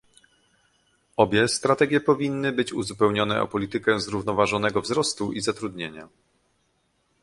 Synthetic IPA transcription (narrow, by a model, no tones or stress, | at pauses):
ɔbʲjɛst̪ɾat̪ɛɡʲjɛpɔvʲinːɘbɘt͡ɕuzupɛwɲɔnɛ̰ʔɔ̰pɔlʲit̪ɘkɛzɾuvnɔvaʐɔnɛɡɔvzɾɔst̪uʔizat̪ɾud̪ɲeɲa̰